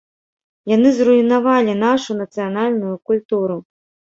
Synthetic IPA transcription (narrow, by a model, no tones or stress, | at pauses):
janɨzruinavalʲinaʂunɐt̪sɨjanalʲnujukulʲt̪uɾu